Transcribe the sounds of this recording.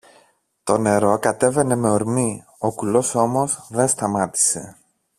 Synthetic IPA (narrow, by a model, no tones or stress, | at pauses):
t̪o̞ne̞ɾo̞kɐt̪e̞ve̞ne̞me̞oɾmi | o̞kulo̞so̞mo̞zðenst̪ɐmɐt̪i̥se̞̰